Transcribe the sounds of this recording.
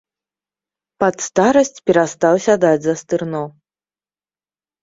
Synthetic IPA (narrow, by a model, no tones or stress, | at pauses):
pat̪st̪aɾɐsʲt͡sʲpʲɛɾast̪awsʲad̪ad͡zʲzɐst̪ɨrnɔ